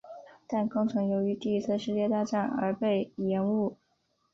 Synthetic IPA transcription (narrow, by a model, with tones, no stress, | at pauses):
t̪a˥˧nkɤ˥ŋʈ͡ʂʰɤ˧˥ŋjo˧˥ʊy˧˥t̪i˥˩i˧˥t͡sʰɹ̩˥˧ʂɻ̩˥˧t͡ɕjɛ˥˧t̪a˥˧ʈ͡ʂa˥˩nə̰˞˧˥pe˥˩ɪjɛ˧˥nu˥˩